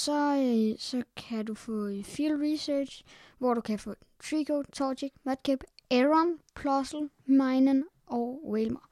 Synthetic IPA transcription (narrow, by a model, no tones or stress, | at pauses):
sɒ̽sɒ̽kʰædufɔ̽filʁisøːd̥ɕ | ʋɒɾ̥ukʰæfɔ̰̽ | t͡sʰʁiɡʰot͡sʰɒːdiɡ̥mɒd̥̚kʰeb̥eʁɒnpʰlɒsl̩mɑ̈ɪnən | ʔɒʊwelmɐ